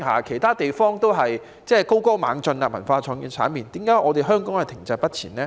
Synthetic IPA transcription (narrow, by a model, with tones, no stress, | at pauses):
ha̰ː˨kʰe˨˩jt̪ʰaː˥t̪e˨jfɔː˥ŋt̪o˥wɦɐ˨j | t͡sɛː˥˩ko˥wko˥wma̰ː˨˥ŋt͡sɵ˧naː˧˩mɐ˨˩nfaː˧t͡sʰɔː˨˧ŋji˧nt͡sʰa̰ː˨˥npiː˨nt̪iː˨˥mkaː˨˥ʔɔː˨˧t̪e˨jɦœː˥ŋkɔ˨˥ŋhɐ˨˩t̪ʰɪ˨˩ŋt͡sɐ˧pɐ˥t̚t͡sʰiː˨˩nlɛː˥